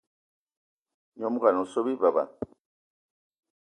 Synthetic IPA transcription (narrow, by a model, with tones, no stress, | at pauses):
ɲo˦mu˦ɣa˨no˨so˦βi˦βa˨ba̰˨